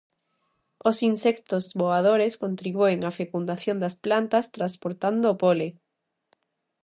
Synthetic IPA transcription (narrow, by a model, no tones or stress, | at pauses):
osinsɛkt̪ozβoaðoɾeskont̪ɾiβueŋafekund̪aθjõnd̪asplant̪ast̪ɾaspoɾt̪and̪oːpole